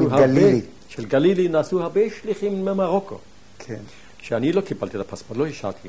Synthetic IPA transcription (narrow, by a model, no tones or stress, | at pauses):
uhale | ʃelɡalilinaːsuhabeʃliχimːemaʁokʰo̰ | kʰen | ʃeanilokibalt̪iet̪apasmaloiʃa̰lt̪ʰi